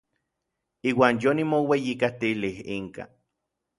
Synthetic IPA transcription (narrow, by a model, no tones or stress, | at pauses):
iːwaːnjonimowejikat̪ilihiŋka̰